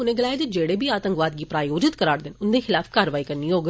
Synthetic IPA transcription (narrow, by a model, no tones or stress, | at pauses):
ʊnẽɡəlaːjd͡ʒ̪id͡ʒeːɽebʱiaːt̪ə̃ŋkʋaːd̪̚ɡipɾaːjoːd͡ʒɪt̪kəɾaːɾd̪ɪnʊnd̪exɪlaːfkaːɾʋaːikɐɾnioːɡ